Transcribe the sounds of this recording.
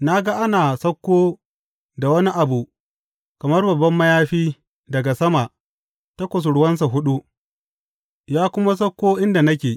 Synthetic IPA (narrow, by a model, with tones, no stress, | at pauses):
na˦ɡa˦ʔa˦naː˨sɐ˦kʷːoː˦ | da˨wɐ˦ni˦ʔa˨bu˨ | kɐ˨mɐ˦rbɐ˨bːɐ˦mːɐ˦jaː˦ɸiː˦ | dɐ˨ɡa˨sɐ˦ma˨ʔ | ta˦kʷʊ˨s̬ʊ˨ɽʊ˦wɐ˦ns̬a˨ɦʊ˦ɗu˦ | jaː˦kʷʊ˦ma˦s̬ɐ˦kʷːoː˦ʔɪ˦nda˨nɐ˦kʲeː˨